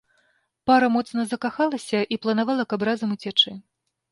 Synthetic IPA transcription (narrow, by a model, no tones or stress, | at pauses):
paɾɐmɔt̪sn̪ɐzɐkaxalˠɐsʲɐʔiplˠɐnavalˠɐkɐbɾazɐmut͡sʲɛt͡ʂɨ